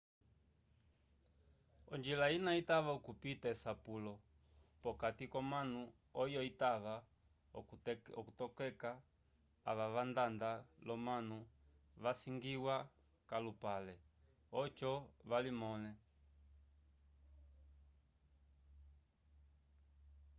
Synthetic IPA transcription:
ɔɲd͡ʒilainaitaʋaukupitaɛsapulɔ | pɔkatikɔmanu | ɔjɔitaʋa | ɔkutɔkɛka̰ː | ʋaʋandandalɔmanu | ʋasiŋɡiwa | kalupalɛ | ɔt͡ʃɔʋalimɔnɛ

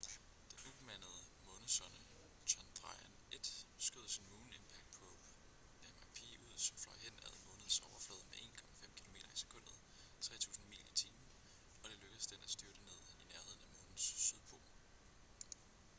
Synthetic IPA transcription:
d̥enub̥əmæn̰əð̞̩ˠəmɔ̽ːnð̩ˠsɒnə | ɕʰɒnd̥ʁɑ̈ɪæned̥sɡ̥øð̰ˠɐsinmuːne̝npʰæɡ̥̚d̥pʰɒ̽ | æmɑpʰḛːuð̞̰ˠsɒmflɒɪhen̰æð̰ˠmɔ̽ːnð̩ˠsɒʊɐflɔːðˠmeʔe̝̰ːnkʰɒ̽mæfem̰kʰilome̝ːɾɐise̥kʰɔ̽n̰d̥ð̩ˠ | t͡sʰʁɛ̰ːt͡sʰṵːsn̩mḭːlɐit͡sʰiːm̩ | ɒ̽d̥e̝løɡ̥əðˠsd̥enæsd̥yɐɾ̥əne̝ð̰ˠineɐhe̝ð̰ˠn̩æmɔ̽ːnn̩sːyðˠpʰo̝ː

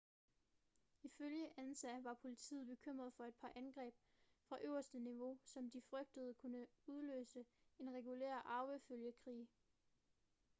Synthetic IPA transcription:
iføljəʔænsæʋɑ̈pʰo̝lit͡sʰḭːð̩ˠb̥e̝kʰøm̰ʁɐð̞̩ˠfɒ̽e̝d̥̚pʰɑ̈ʔænɡ̥ʁɛ̰ːb̥ | fʁɑ̈ʔøʊɐsd̥əniʋo̝sɒ̽md̥ifʁœɡ̥̚d̥əð̞ˠkʰunəuð̞ˠlø̰ːsəe̝nʁɛɡ̥ulḛːɐ̰ʔɑ̈ʊʋəføljəkʰʁḭː

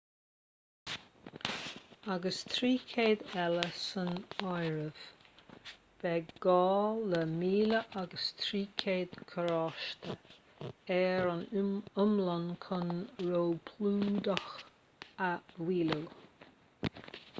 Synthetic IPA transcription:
aɡəst̪ʰɾiːkʰeːd̪ɛləsənɔjɹəv̥ | b̥ɛɡɔːləmiːləʔaɡəst̪ʰɾiːkʰeːd̪̥kʰəɾɔʃt̪ə | ɛɹənʊmlankʰənɹoːpʰluːd̪əx | awiːləw

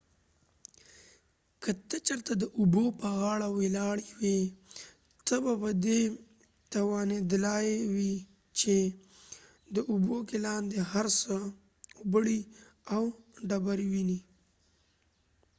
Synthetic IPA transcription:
kət̪ət͡ʃəɾt̪ad̪əʔʊbopəɣɑɽawelɑɽiwe | t̪əbapəd̪e | t̪awɑned̪lɑjewi | t͡ʃe | d̪əʔʊbokelɑnd̪eɦaɾsə | ʊbəɽi | awɖabaɾiwini

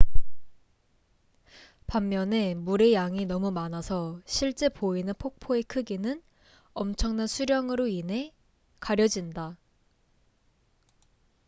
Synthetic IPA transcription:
pamːjʌne̞muɾe̞jaŋinʌmumanasʰʌɕʰiɭt͡ɕ͈e̞poinɯnpʰok̚pʰoe̞kʰɯɡinɯn | ʌmt͡ɕʰʌŋnansʰuɾjʌŋɯɾoinɦe̞ | kaɾjʌd͡ʑinda

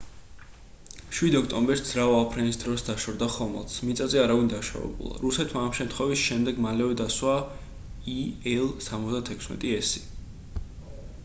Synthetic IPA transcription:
ʃwid̪ɔkʰt̪ʼɔmbɛɾsd̪z̥ɾaapʰɾɛnisd̪ɾɔsd̪aʃɔɾd̪aχɔmɛ̰lˠt̪smit̪sʼazɛaɾavind̪aʃa̰vɛ̰bṵlˠa̰ɾusɛt̪ʰmaːmʃɛmt̪ʰχwɛvisʃɛmd̪ɛɡmalɛvɛd̪aswa | iɛlˠsamɔt̪zd̪at̪ʰɛkʰsmɛ̰t̪ʼiɛsi

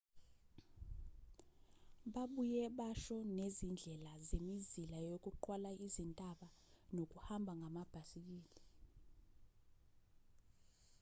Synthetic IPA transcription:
ɓaɓujɛɓaʃɔnezind͡ɮʱɛlazemizilajok̬ʼuǃwalaʔizintʼaɓa | nok̬ʼuhambʱaŋʱamab̥ʱasik̬ʼiːli

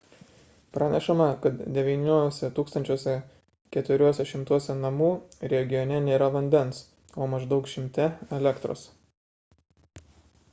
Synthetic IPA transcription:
pɾɑːnʲɛʃɐmɐkɐt̪d̪ʲɛʋʲiːnʲuɔsʲɛt̪uːkst̪ɐnʲt͡ʃʲoːsʲɛ | kʲɛt̪ʊɾʲuɔsʲɛʃʲɪmt̪uɔsʲɛnɐmuːɾʲɛɡʲɪjɔnʲɛnʲeːɾɐʋɐnʲd̪ʲɛnˑs | oːmɐʒd̪ɒʊkʃʲɪmʲt̪ʲɛɛlʲɛkt̪ɾo̰ːs

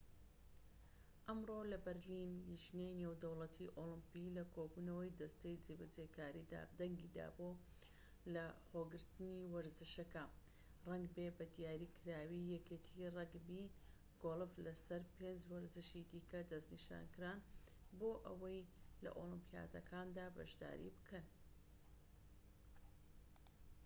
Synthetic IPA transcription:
ʔɐmrolɐbɐɾlinliʒnejnewd̪ɐwlˠɐt̪ʰiʔolɨmpilɐkʰobuːnɐwɐjd̪ɐst̪ejd͡zebɐd͡zekaːɾid̪a̰ːd̪ɐŋɡid̪a̰ːboː | lɐχoːɡɨɾt̪ɨniwɐɾzɨʃɐkɐ | rɐŋɡbebɐd̪ijaːɾikʰɨɾaːwijɛket̪ʰirɛɡbi | ɡ̥olˠɨflɐsɐɾpeːnd͡ʒwɐɾzɨʃid̪iːkɐd̪ɐzniʃa̰ːnkɨɾan | boːʔɐwɐjlɐ̰ʔolˠɨmpija̰ːt̪ɐkʰaːnd̪aːbɐ̰ʃd̪a̰ːɾḭbɨkʰɐn

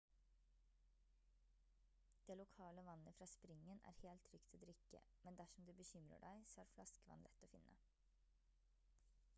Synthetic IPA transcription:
d̪̥eːlʊkʰɑːləʋɑnːəfɾɑːspɾɪŋːənæ̰ːɾheːlt̪ʰːɾʏkt̪ʰɔd̪ɾʏkːə̰mɛnd̪æʂɔmd̪ʉːbəçʏmɾə̰ɖæɪsɔæːɾflɑskəʋɑ̰nlɛ̰t̪ːoːfɪnːʔə̰

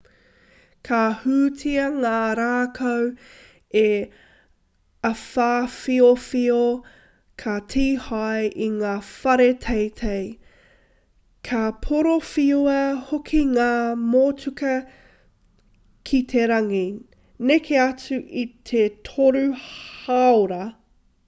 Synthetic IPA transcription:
kʰahʉːt͡sʰiɐŋaːɾaːkʰow | e | ɐfaːfiofio | kʰɐtʰiːhajʔiŋaːfɐɾetʰejtʰej | kʰɐpʰoɾofioɐhokʰiŋaːmoːt͡sʉkɐ | kʰit̪ʰe̞ɾɐŋi | nekʰeɐt͡sʉʔit̪ʰetʰoɾʉhaoɾɐ

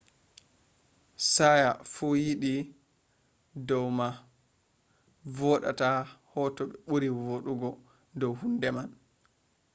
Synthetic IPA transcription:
sajafujiɗi | dɔwma | vɔɗa̰tahɔːtɔɓɛɓuɾivoɗuɡɔ | dɔwhundɛman

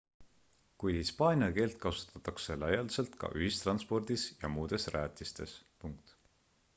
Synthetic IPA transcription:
kujhispɑːnʲiɑke̞ːlt̪̚kɑsu̥t̪ːˑɑt̪ːɑkse̞lɑjɑlse̞lt̪kɑ̰ʔyɦist̪rɑnspo̞rd̪̥isjɑ̰muːd̪̥e̞sræːt̪ʲːˑist̪e̞̰spuŋk̚t̪

